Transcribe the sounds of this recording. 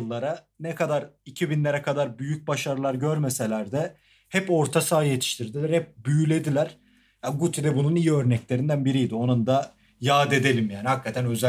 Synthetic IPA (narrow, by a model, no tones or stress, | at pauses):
lˠːaɾa | nɛkʰad̪aɾicʰibinlʲe̞ɾɛkʰad̪aɾbyjyc̚baʃaɾɯlˠaɾɟø̞ɾme̞se̞lʲæɾd̪ɛ | hɛpo̞ɾt̪ʰasaːjet̪ʰi̥ʃt̪ʰiɾd̪ilʲæɾhɛp̚byjylʲe̞d̪ilʲæɾ̥ | jaɡut̪ʰid̪ɛbununijiø̞ɾnɛclʲe̞ɾind̪ænbiɾijd̪io̞nund̪a | jaːd̪e̞d̪e̞lʲimjaːnihakːat̪ʰænø̞zæ